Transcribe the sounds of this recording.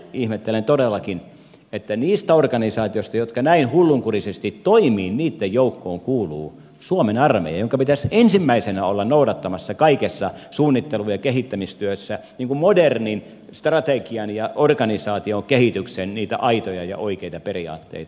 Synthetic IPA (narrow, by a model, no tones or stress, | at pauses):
ihmet̪ːelent̪odelːɑkin | et̪ːæniːst̪æorkɑnisɑːt̪iost̪ɑjot̪kɑnæinhulːuŋkurisest̪it̪toimiːnniːt̪ːejjoukːoːŋkuːlṵː | suomenɑrmḛjɑ̰joŋkɑpit̪æsensimːæisenæolːɑnnoudɑt̪ːɑmɑsːɑkɑikesːɑsuːnːit̪ːelujɑkeɦit̪ːæmist̪yøsːæniːŋkummodernin | st̪rɑt̪ekiɑnjɑʔorkɑnisɑːt̪iokehit̪yksenniːt̪æ̰ʔɑit̪ojɑjɑ̰ʔoikeit̪ɑperiɑ̰ːt̪ːḛit̪ɑ